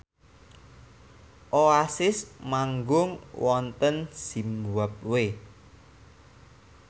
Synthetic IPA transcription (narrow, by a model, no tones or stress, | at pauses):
ʔoasɪsmaŋɡʊŋwɔnt̪ənsimwəp̚we